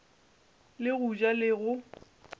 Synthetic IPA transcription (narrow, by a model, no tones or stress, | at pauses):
lɪɣut͡ʃʼalɪɣʊ